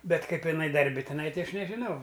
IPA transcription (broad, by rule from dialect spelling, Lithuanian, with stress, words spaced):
ˈbʲɛt ˈkɐɪp ɪˈnɐɪ dɐrʲˈbʲɪ tʲɪˈnɐɪ ˈtʲɪ ˈɐʃ nʲɛʒʲɪˈnɐʊ